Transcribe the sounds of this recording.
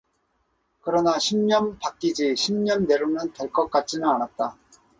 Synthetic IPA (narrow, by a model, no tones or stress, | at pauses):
kɯɾʌnaɕʰimɲʌnpak͈id͡ʑiɕʰimɲʌnːe̞ɾumjɯnteɭk͈ʌk͈at͡ɕ͈inɯnanat̚t͈a